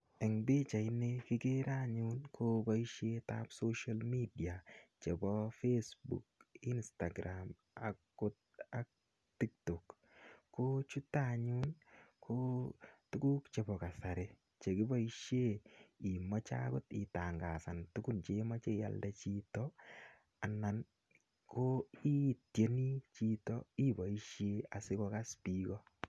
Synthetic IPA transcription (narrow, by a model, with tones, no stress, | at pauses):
ɛ˨ŋbɪ˦t͡ʃa˨ɪ˦ne˦kɪ˦ke˦ɾa˦ɲunkʰo˦ba˦i˦ʃe˦ta˦pso˦ʃalmi˦di˨a˨t͡ʃe˨bɔ˦fesbṵki˦nsta˨ɡɾʔam | akːʊ˦t̚ak̚ | ti˦k̚tɔ˨kː | o˦t͡ʃu˦tːa˦ɲu˦nkʰo˦tu˦ku˦kt͡ʃe˨bɔ˨ka˨sa˨ɾe˦ | t͡ʃe˨kɪ˦bɔ˦i˦ʃje˦i˨mɔ˦t͡ʃa̰˦kʊ˦ti˨ta˨ŋɡa˨sa˨ntu˦ku˦nt͡ʃe˦ma˦t͡ʃe˦ja̰˨ldɛ˦t͡ʃi˦tɔ | a˨na˨n | kʰo˦i˦tje˦ni˦t͡ʃi˦tɔ̰i˦ba˨i˦ʃje˦a˨sɪ˦kɔ˧ka˦spikɔ˦